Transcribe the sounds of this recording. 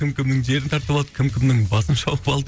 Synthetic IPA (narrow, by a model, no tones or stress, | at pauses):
ɪmkʲɪmnɪŋʒe̞ɾɪnt̪ʰɑɾt̪əbɑlˠd̪ə̥kʲʰɪmkʲʰɪmnɪŋbɑsənʃɑwqəpɑlˠd̪ə